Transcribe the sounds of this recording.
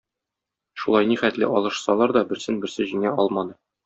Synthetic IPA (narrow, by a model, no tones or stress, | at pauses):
ʃulˠɑjniχæt̪lɘ̰ʔɒlˠɤ̆ʃsɑlˠɑɾd̪ɒbɘ̆ɾsɘnbɘ̆sɘʑĭnæɒlˠmɑnɤ